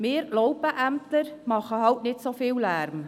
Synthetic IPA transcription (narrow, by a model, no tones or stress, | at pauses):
mɪːɾlɔwpəʔæmt̪əɾmɑχəhɑwtnɪtsofɪːwlæːɾm